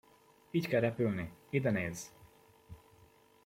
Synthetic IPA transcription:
iːckɛlɾɛpylniid̪ɛneːz

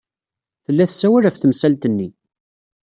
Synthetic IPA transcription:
θəlːæθsːæwæɾæfθəmsælt̪ənːi

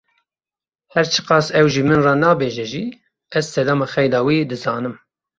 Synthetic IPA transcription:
hɛɾt͡ʃʰɨ̥qɑːsɛwʒiːmɨnrɑːnɑːbeːʒɛʒiː | ɛzsɛd̪ɑːmɑxɛjd̪ɑːwiːd̪ɨzɑːnɨm

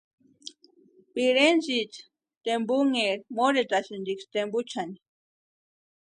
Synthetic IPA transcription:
piɾenzit͡ʃ | t̪embuŋeɾmoɾet̪asind̪ikst̪embut͡ʃʰani

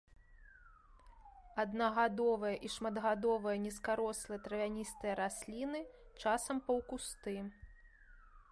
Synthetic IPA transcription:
ɐd̪nɐɣad̪ɔvɐjɐʔiʂmɐd̪ɣad̪ɔvɐjɐnʲiskaɾɔslˠɐjɐt̪ɾɐvʲanʲist̪ɨjɐɾasʲlʲinɨt͡ʂasɐmpɐwkust̪ɨ

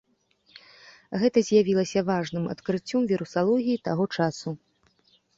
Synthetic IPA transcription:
ɣɛt̪ɐzʲjavʲilˠɐsʲɐvaʐnɨmɐ̰t̪kɾɨt͡sʲːɔmvʲiɾusalˠɔɣʲijit̪aɣɔt͡ʂasu

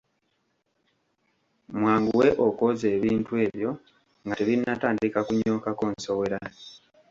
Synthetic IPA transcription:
mwaːŋɡuwe̞ʔoko̞ze̞ːβiːntue̞ːβjo̞ | ŋɡateβinːataːndikakuɲo̞ːkako̞ːnso̞we̞ɾa

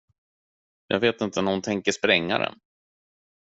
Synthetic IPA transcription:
jɑ̰ːɡveːt̪ɪnt̪ənæhʊnt̪ʰɛŋkəʂpɾɛŋːa̰ɾɛ̰n

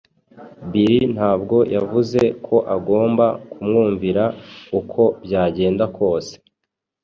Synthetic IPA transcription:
biɾin̥haːbɡo̞jʔavuze̞kʰo̞ʔaɡo̞ːmbakumŋuːɱviɾaukʰo̞bɟaːɟe̞ːndakʰo̞ːse̥

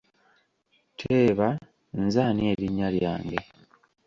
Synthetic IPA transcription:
tʰeːβa | nzaːnie̞ɾiɲːalja̰ːŋɡe

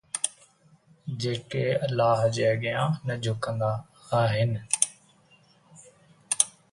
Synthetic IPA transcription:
d͡ʒeːkeːəlːaːɦd͡ʒeːɡɪjãːnəd͡ʒʱʊkə̃nd̪aː | aːɦɪn

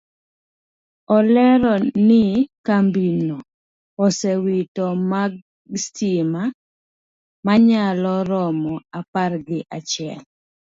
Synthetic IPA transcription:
ɔlɛɾɔnɪkambinɔː | sɛwitɔmaɡ | stima | maɲalɔɾɔmɔaparɡɪʔat͡ʃɪɛl

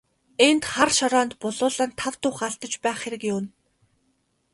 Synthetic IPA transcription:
ent̪χarʃaɾɔːnt̪pʊɮʊːɮaːnt̪ʰawt̪ʊːχaɮt̪ə̆t͡ɕpæːχxeɾɘ̆kjʊwn

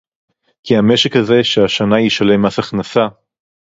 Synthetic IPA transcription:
kiame̞ʃekhaze̞ʃeaʃanajiʃale̞masaχnasa

